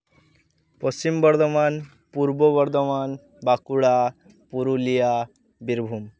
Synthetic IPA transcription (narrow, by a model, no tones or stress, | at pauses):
pəst͡ɕimbəɾd̪əman | puɾbəbəɾd̪əman | bakuɽa | puɾulija | biɾbʱum